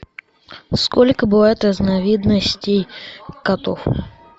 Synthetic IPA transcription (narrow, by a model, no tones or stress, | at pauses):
skolʲkəbɨvajɪt̪rəznɐvʲid̪nəsʲtʲejkɐt̪of